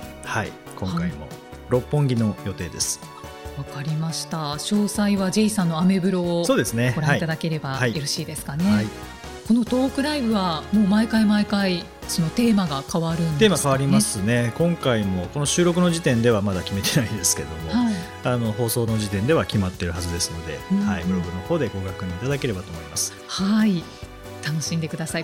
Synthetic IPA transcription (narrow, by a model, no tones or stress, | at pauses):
hai | kõ̞ŋkaimo̞̰ | ɾo̞pːõ̞ŋɡʲino̞jo̞t̪e̞ːd̪e̞sɨ̥ | βakaɾʲimaɕi̥t̪aɕo̞ːsaiβad͡ʑiisãnːoame̞bɯ̟ɾo̞ːso̞ːd̪e̞sɨne̞oɾaãiit̪ad̪ake̞ɾe̞baaijoɾoɕiːd̪e̞sɨ̥kane̞ai | ko̞no̞t̪o̞ːkɯ̟ɾaibɯ̟βamo̞ːmaikaimaikai | so̞no̞t̪e̞ːmaɡakaβaɾɯ̟̃nd̪t̪eːmakaβaɾʲimasɨne̞kõ̞ŋkaimo̞ko̞no̞ɕɨːɾo̞kɯ̟no̞ʑit̪ẽ̞nd̪e̞β̞amad̪akʲime̞t̪e̞naĩd̪e̞sɨ̥ke̞d̪o̞mo̞hai | ano̞ɦo̞ːso̞ːno̞ʑit̪ẽ̞nd̪e̞β̞akʲimat̪ːe̞ɾɯ̟ɦazɨd̪e̞sɨno̞d̪e̞̰haiɡoɾoɡɯ̟no̞ho̞ːd̪e̞ɡo̞ɡakɯɲit̪ad̪ake̞ɾe̞bat̪o̞ːmoimasɨ̥ | hai | t̪ano̞ɕĩnd̪e̞kɯ̟d̪asai